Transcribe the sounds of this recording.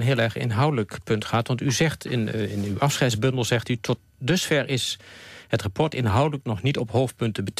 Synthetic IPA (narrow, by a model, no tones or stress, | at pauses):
nɦɪːlˠɛɹχɪ̰nɦʌwdələkpɵntχaːtʋɑntyzɛχtɪɪnywɑfsχɛjdzbɵndəlˠzɛχtytʰɔt̚ | dɵsfɛɹʔɪshətrapʰɔɹtɪnɦʌwdələknɔχnitɔpɦowf̚pɵntəbət